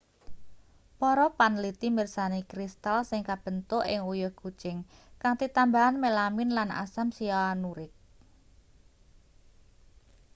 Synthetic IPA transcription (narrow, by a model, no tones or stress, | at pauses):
pɔɾɔpanlit̪imirsanikɾist̪alsɪŋkab̥ə̤nt̪oʔɪŋujɔhɡ̥u̥t͡ʃɪŋkaŋt̪it̪ambaɦanmelamɪnlana̰samsiaanuɾɪk̚